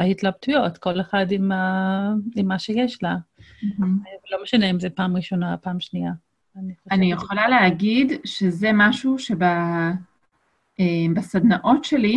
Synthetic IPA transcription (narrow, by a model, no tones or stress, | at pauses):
ahit̪lab̚t̪ujo̞tko̞leχadima | imːaʃejeʃlam̩vlo̞meʃaneimzepaːmʁiʃo̞napaːmʃnia | anieoanijeχolaleaɡidʃezemaʃuʃeba | embasadnaʔotʃeli